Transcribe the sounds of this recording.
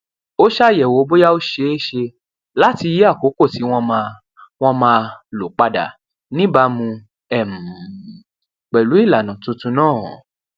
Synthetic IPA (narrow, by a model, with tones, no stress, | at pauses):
o˦ʃa˦˨jɛ˨wo˨˦˧bo˦ja˦o˦ʃe˧˦e˦ʃe˧ | la˦ti˧ji˦a˦˨ko˨˦ko˦˨ti˨˦w̃ɔ̃˦ma˧ | w̃ɔ̃˦mãː˧lo˨˦k͡pa˧da̰˨ | nĩ˦ba˧˦mũ˧ | ɛ˦˨m̩˨ | k͡pɛ˨lu˨˦i˦˨la˨nã˨tũ˧tũ˧˦nãː˦˨